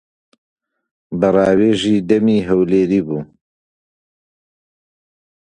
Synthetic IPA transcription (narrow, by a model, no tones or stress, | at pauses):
bɨrˤɑːweːʒiːd̪ɐmiːɦɐwleːɾiːbuː